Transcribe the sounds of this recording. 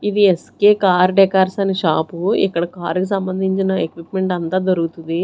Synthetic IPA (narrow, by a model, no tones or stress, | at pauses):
id̪ieskeːkaːɾɖɛkaːɾsɐniʃaːpuḭkːɐɽɐkaːɾkis̬ɐmbɐnd̪ʱiɲt͡ʃinɐekʋipme̞ɳʈɐnt̪aːd̪oɾuɡut̪und̪i